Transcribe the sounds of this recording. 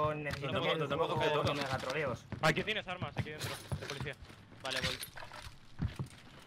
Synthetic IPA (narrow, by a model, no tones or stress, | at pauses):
onːeθes̬it̪jeoemooooomeaɣat̪ɾoleosak̬enjenesaɾmasakiðent̪ɾod̪epoliθia | baleβoj